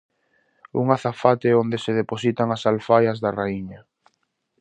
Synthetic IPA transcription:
ṵŋaθafat̪eond̪eseðeposit̪aŋasalfajɐzðaraiɲa

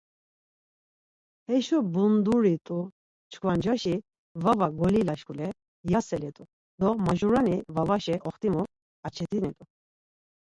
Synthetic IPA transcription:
hɛʃɔbund̪uɾit̪ʼu | t͡ʃʰkʰvand͡ʒaʃi | vavaɡɔlilaʃkulɛ | jasɛlɛt̪ʼu | d̪ɔmaʒuɾanivavaʃɛʔɔχt̪ʼimu | at͡ʃʰɛt̪ʰʼinɛt̪ʼu

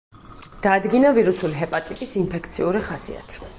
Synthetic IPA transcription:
d̪̥aːd̪ɡinaviɾusuliɦɛpʼat̪ʼikʼisimpʰɛk̚ʰt̪sʰiuɾiχasḭa̰t̪ʰi̥

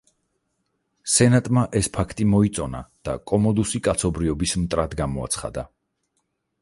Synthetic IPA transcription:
sɛnat̪ʼmaʔɛspʰakʰt̪ʼimɔit̪sʼɔna̰d̪̥a̰kʼɔmɔd̪usikʼat̪sʰɔbɾiɔbismt̪ʼɾad̪ɡamɔa̰t̪sʰχa̰d̪a

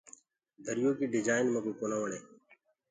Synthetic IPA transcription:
d̪ʱəɾɪjoːkiːɖɪd͡ʒaːɪnmə̃kuːkoːnaːʋəɳeː

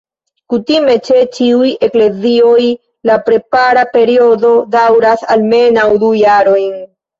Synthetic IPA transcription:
kutime̞t͡ʃe̞t͡ʃiuje̞kle̞zio̞j | lapɾe̞paɾape̞ɾio̞do̞dawɾasalme̞nawdujaɾo̞jn

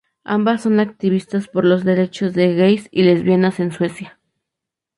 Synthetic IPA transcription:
a̰mbasːo̞nak̚t̪iβ̞ist̪aspoɾlozðe̞ɾe̞t͡ʃozðe̞ɣejsile̞zβjenase̞nswe̞sja

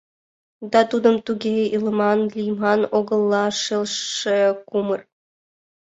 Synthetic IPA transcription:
d̪ɑt̪ud̪ɤ̆mt̪uɡʲeilˠɤ̆mɑnlʲijmɑnoɡɤ̆lˠːɑʂelˠʂɘ̆kumɤ̆r

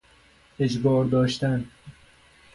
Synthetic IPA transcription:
ed͡ʒbɒːɾd̪ɒːʃt̪æn

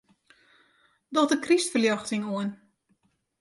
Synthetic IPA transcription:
dɔtəkristfəljɑxtɪŋuən

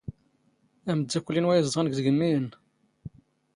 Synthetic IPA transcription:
æməd̪ːækʷːəlːinwæjzˤd̪ˤʁənɡðəɡəmːiən

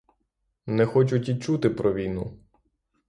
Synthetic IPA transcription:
nɛxɔt͡ʃʊtʲit͡ʃut̪ɪpɾɔʋʲijnu

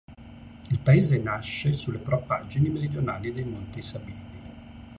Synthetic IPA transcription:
ilpaeːzenaʃːesulːepɾopad͡ʒinimeɾid̪jonaːlid̪ejmont̪isabiːni

